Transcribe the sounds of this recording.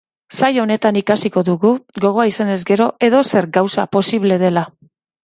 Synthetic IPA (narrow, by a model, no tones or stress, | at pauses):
sajo̞ne̞t̪anikasiko̞ðuɣuɡo̞ɣ̞o̞aisane̞zɡe̞ɾo̞ʔe̞ðo̞se̞ɾɡawsa̰po̞siβle̞ð̞e̞la